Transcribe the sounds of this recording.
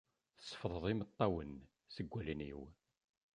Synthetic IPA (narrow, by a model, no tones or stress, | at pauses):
θə̥sˤːə̥fðˤəðˤimət̪ˤːɑwən | səɡʷːælənḭw